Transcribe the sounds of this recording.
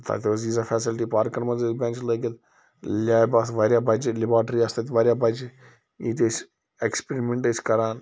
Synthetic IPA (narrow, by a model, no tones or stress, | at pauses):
t̪ʰa̰t̪ʋoziːzafɛːsɪlʈipaːɾkːɐɾmɐnzebẽːnt͡ʃləːɡɐt̪ | lʲaːjbaːsʋaːɾjabɐd͡ʒlɪbaːʈɾiast̪ɐt̪ʋaːɾjaːbɐd͡ʒ | iːt̪es | ekspeɾimẽɳʈeskɐɾaːn